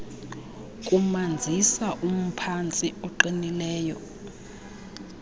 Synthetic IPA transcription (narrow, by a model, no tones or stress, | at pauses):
kʼumand͡zʱisaʔum̩pʰant͡sʼiɔǃinilɛːjɔ̰